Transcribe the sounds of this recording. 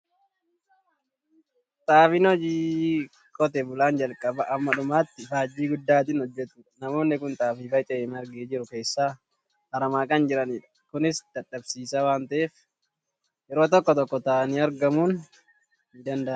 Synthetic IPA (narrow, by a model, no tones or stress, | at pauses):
t̪ʼaːfɪnɔd͡ʒiː | kʼɔt̪ɛbʊlaːnd͡ʒɐlkʼɐbɐʔːmːɐᶑʊmaːt̪ːɪfaːd͡ʒːiːɡʊd̪ːaːt̪̬ɪnhɔd͡ʒːɛt̪ʊᶑɐnɐmo̞ːnːɪkʊnt̪ʼaːfiːfɐjt̪ʼɛeːmɐɾɡeːd͡ʒɪɾʊke̞ːsːaː | hɐɾɐmaːkɐnd͡ʒɪɾɐniːᶑɐ̥kʊnɪsd̪̥ɐᶑɐbsiːsawaːnt̪ɐʔeːf | jɛɾo̞ːt̪̬ɔkːɔt̪ɔkːɔt̪aːniːɐɾɡɐmuːn | ɪd̪ɐnd̪ɐ